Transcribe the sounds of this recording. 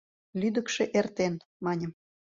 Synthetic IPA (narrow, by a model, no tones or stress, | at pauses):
lyd̪əkʃeʔert̪enmɑnʲəm